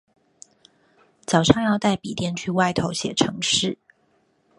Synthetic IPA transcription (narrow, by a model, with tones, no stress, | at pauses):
t͡sɑ˨˩ʊʂɑ˥˧ŋjɑ˥˧ʊt̪a˥˩ɪpḭ˨˩t̪jɛ˥˧nt͡ɕʰy˥˧wa˥˩ɪt̪ʰo˧˥ʊɕjɛ˨˩ʈ͡ʂʰɤ˧˥ŋʂɻ̩˥˩